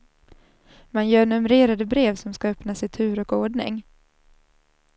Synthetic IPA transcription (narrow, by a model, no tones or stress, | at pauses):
manjœːɾnɵmɾeːɾad̪əbɾeːvsɔmskaœpnasɪt̪ʰʉ̟ːɾɔkoːɖɳɪ̰ŋ